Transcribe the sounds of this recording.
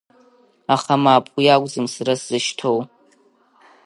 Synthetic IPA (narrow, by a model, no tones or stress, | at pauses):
aχamaːpʼujaɡʷʼzɨmsɨɾasz̥ɨʃtʰow